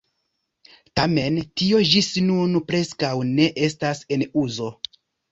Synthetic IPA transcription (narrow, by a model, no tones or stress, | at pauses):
tame̞ntio̞d͡ʒisnunpɾe̞skawne̞ʔe̞s̬tase̞nuzo̞